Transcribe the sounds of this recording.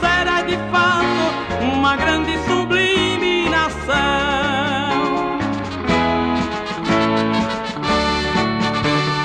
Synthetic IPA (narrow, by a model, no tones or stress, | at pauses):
sɛɾɐd̪ɪfano | ũmɐɡɾɐ̃nd̪ɪsubliminasɐ